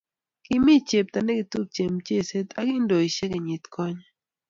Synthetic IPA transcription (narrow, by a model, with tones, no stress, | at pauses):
ki˦mi˦t͡ʃe˨p̚t̪a˨ne˦ki˨t̪u˦k̚t͡ʃe˨mt͡ʃe˦˨se˦t̪a˦ki˦ndo˨i˨ʃe˦kɛ˨ɲi˨t̪kʰɔ˦ɲa˦